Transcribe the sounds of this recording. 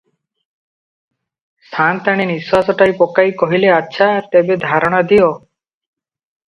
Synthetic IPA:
st̪ʰant̪aɽ̃eniswasɔʈajpɔkajkɔɦileatːʃʰaɾt̪ebed̪ʱaɾɔɽ̃ad̪ijɔ

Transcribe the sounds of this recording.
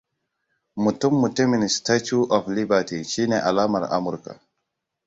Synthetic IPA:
mutumːuteminstat͡ʃuʔɔflibatiʃinɛʔa̰laːmaɾa̰muɾka̰

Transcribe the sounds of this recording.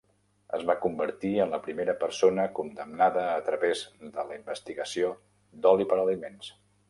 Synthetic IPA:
ə̰zβakumbəɾt̪iənləpɾimeɾəpəɾsonəkund̪əmnaðəːt̪ɾəβezd̪ələimbəst̪iɣəsio | d̪ɔlipəɾəlimens

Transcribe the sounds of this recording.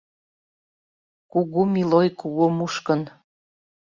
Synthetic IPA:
kuɣumilojkuɣomuʃkən

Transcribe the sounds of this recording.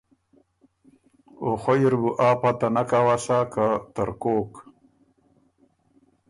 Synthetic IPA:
oχojiɾbuʔaːpat̪anakawasakat̪əɾkoːk

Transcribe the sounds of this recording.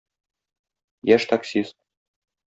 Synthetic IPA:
jæʃt̪aksʲist̪̚

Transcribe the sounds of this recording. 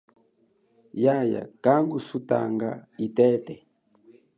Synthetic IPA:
jaja̰kaŋɡusuta̰ŋɡaitɛtɛ

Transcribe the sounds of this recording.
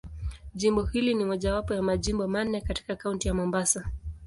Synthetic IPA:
ʄimbɔhilinimɔʄawapɔjamaʄimbɔmanːɛkati̥kakauntijamɔmbasa

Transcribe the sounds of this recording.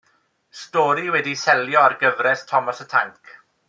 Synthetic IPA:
stɔːɾiwɛdisɛljɔarɡəvrɛstʰɔmɔsətʰaŋkʰ

